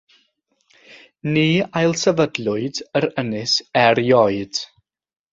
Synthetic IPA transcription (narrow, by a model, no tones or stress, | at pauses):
niːajlˠsɛvədlˠʊɨdəɾənɨsɛɾjɔɨd̥